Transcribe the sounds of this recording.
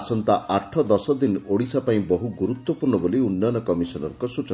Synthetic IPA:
sɔnt̪aʔaʈʰːɔd̪ɔsɔd̪inoɽisapaĩbɔɦuɡuɾut̪wɔpuɾnɔboliunːanɔkɔmisɔnɔɾkɔsut͡ʃɔ

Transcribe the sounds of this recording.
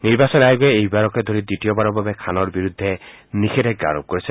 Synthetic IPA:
niɾbasɔnajɡɔeːɦibaɾɔked̪ʱoɾid̪iʈijɔbaɾɔbabekʰanɔɾbiɾud̪ʱːe | nikʰeɾek̚ɡa̰ɾɔb̚kɔɾit͡ʃʰ

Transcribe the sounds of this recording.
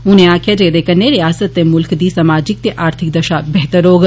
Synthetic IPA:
unẽaːkʰjad͡ʒeːɾeːkənːeɾijaːsət̪ːemʊlkd̪iːsamaːd͡ʒik̚t̪eʔaːɾt̪ʰɪk̚d̪ɐʃabɛɦt̪əɾoːɡ

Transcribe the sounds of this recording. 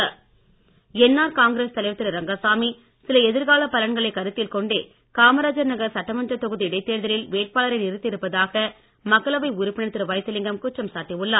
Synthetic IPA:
ɛnːaːɾkaːŋɡɪɾeːst̪ɐlɐɪʋɐt̪ːɪɾɐɾɐŋɡɐsaːmi | sɪlɐɛðɪɾɣaːlɐpɐlɐɳɡɐɭɐɪkɐɾɯt̪ːɪlkɔɳɖeː | kaːmɐɾaːd͡ʒɐɾnɐɣɐɾsɐʈːɾɐmɐnd͡ʒrɐt̪ːɔɣɯðiɽɐɪt̪ːeːɾðɐlɪlʋeːʈ̚paːlɐɾɐɪnɪɾɯt̪ːɪɾɯpːɐðaːɣɐ | mɐkːɐɭɐʋɐɪʊɾʊpːɪɳɐt̪ːɯɾɯʋɐjt̪ːɯlɪŋɡɐmkʊʈrɐmsaːʈːiʋɯɭːɐː

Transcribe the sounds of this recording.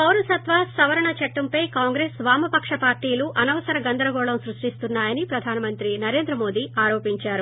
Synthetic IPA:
pɐwɾusɐt̪ʋasɐʋɐɾɐɳɐt͡ʃɐʈːɐmpɐjkaːŋɡɾeːsʋaːmɐpɐkʂɐpaːɾʈiːluʔɐnɐʋɐsɐɾɐɡɐnd̪ɐɾɐɡɔːɭɐmsɾuʂʈist̪unːaːjɐnipɾɐd̪ʱaːnɐmɐnt̪ɾinɐɾe̞ːnd̪ɾɐmo̞ːd̪iaːɾo̞ːpiɲt͡ʃaːɾu

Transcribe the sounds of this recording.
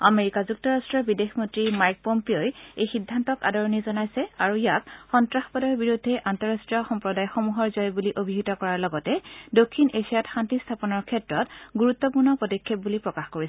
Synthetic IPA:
ameɹikazuk̚tɔɹastɹɔbidexmɔntɹimajk̚pompeojejxidʱːantɔka̰dɔɹɔnizɔnajsɛaɹujakxɔntɹaxpɔdɔjɔbiɹudʱːɛʔantɔɹastɹijɔxɔmpɹɔdajxomuɦɔɹzɔjbuliʔobʱiɦitɔkɔɹaɹlɔɡɔtɛdokʰːinʔeʃijatxantistʰapɔnɔɹkʰɛtɹɔtɡuɹut̪ːɔpuɹnɔpɔdɔkʰːep̚bulipɹɔkaxkoɹisɛ

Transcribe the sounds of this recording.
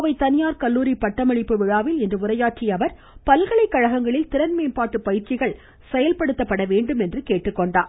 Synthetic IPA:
ɐʋɐɪt̪ɐnɪjaːɾkɐlːuːɾipːɐʈːɐmɐɻɪpːɯʋɪɻaːʋɪlɛndrɯʊrɐjaːʈt͡ʃijɐʋɐɾ | pɐlɣɐɭɐɪkːɐɻɐɣɐŋɡɐɭɪlt̪ɪɾɐnmeːmpaːʈːɯpɐjɪɾt͡ʃɪɣɐɭ | sɛjɐlpɐɽɯt̪ːɐpːɐɽɐʋeːɳɖɯmɛndrɯkeːʈːɯkːɔɳɖaːɾ

